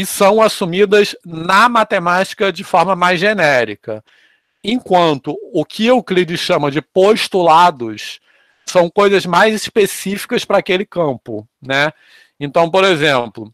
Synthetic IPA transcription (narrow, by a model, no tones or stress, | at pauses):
ɪsɐ̃w̃asumid̪ɐznɐmat̪emat͡ʃi̥kɐd͡ʒɪfɔɾmɐmajzʒenɛɾikɐ | ẽkwɐ̃nt̪ʊːkʰɪʊklid͡ʒɪʃɐ̃mɐd͡ʒɪpoʃt̪ulad̪ʊs | sɐ̃w̃kojzɐzmajzispesifi̥kɐspɾɐːkelɪkɐ̃mpʊnɛ | ẽnt̪ɐ̃w̃poɾezẽplʊ